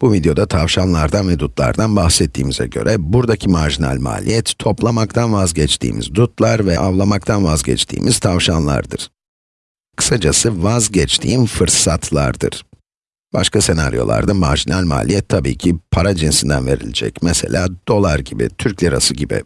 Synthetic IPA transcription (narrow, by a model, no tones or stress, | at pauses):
b̥uvid̪jo̞d̪at̪ʰavʃanlˠaɾd̪anvɛd̪ut̪lˠa̰ɾd̪anbaxsɛt̪ʰːiːmizɛ̰ɟø̞̰ɾʔɛbuɾd̪acʰimaɾʒina̰lʲma̰ːlʲijɛt̪ːʰo̞plˠamakt̪ʰanvazɟɛt͡ʃt̪ʰḭːmḭzd̪ut̪lˠaɾvɛʔavlˠamak̚t̪ʰanvazɟɛ̰t͡ʃt̪ʰḭːmʔiz̥t̪ʰavʃanlˠa̰ɾd̪ɯɾ̥ | kʰɯ̥sad͡ʒasɯvazɟɛt͡ʃt̪ʰiːimfɯɾsat̪ʰlˠa̰ɾd̪ɯ̰ɾ̥ | b̥a̰ʃkase̞na̰ɾjo̞̰lˠa̰ɾd̪ama̰ɾʒinʔalʲma̰ːlʲijɛt̪ʰːabiːcʰipʰaɾad͡ʒinsind̪ænve̞ɾḭlʲid͡ʒɛ̰cmɛse̞̰lʲʔaːd̪̥o̞lˠaɾɟibḭt̪ʰyɾclʲiɾa̰sɯɟibḭ